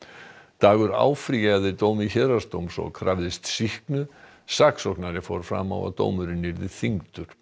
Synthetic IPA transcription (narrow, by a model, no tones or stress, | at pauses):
t̪aːɣʏɾa̰ːwfɾijaaðɪt̪oːwmɪçɛːɾast̪owmsɔ̰ɣkʰɾavðɪst̪sihknʏ | saksɔhknaɾɪfɔɾ̥fɾa̰ːma̰wa̰t̪o̰ːwmʏɾɪnːɪɾðɪ̥θiŋt̪ʏɾ̥